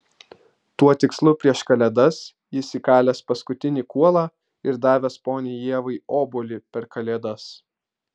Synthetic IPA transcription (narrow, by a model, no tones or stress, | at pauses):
t̪uɔt̪ʲɪkslˠʊpʲɾʲiɛʃkɐlʲɛd̪ɐs | jɪsʲiːkɑːlʲɛspɐskʊt̪ʲɪnʲikuɔlˠɑː | ɪɾd̪ɑːʋʲɛspoːnʲeːjiɛʋɐɪoːbʊlʲɪpʲɛɾkʰɐlʲeːd̪ɐs